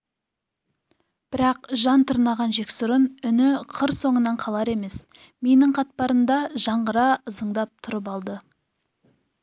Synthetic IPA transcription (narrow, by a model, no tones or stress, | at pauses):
b̥ɪɾɑqʒɑnt̪ʰʊɾnɑʁɑnʒe̞ksʊɾənʏnɪqʰəɾso̞ɴənɑɴqʰɑlˠɑɾe̞me̞s | me̞nɪɴqʰɑt̪̚pɑɾəmd̪ɑʒɑɴʁəɾɑəzəɴd̪ɑp̚t̪ʰʊɾəp̬ɑlˠd̪ə